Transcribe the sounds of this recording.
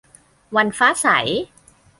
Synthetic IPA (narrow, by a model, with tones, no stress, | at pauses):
wa˧nfaː˦˥sa̰˩˦j